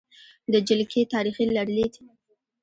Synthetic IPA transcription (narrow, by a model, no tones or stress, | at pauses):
d̪əd͡ʒɪlkʰet̪ɑɾixilaɽled̪i̥